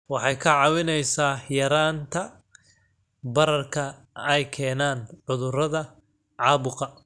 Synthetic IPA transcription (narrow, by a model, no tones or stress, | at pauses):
wɑħɑjkʰɐʕɑwɪnɛjsaːjɐɾaːnt̪ʰɐ | bɐɾɐrkʰɐ | ɛjkʰɛːnaːnʕʊðʊrɐðɐ | ʕɑːβʊqɐ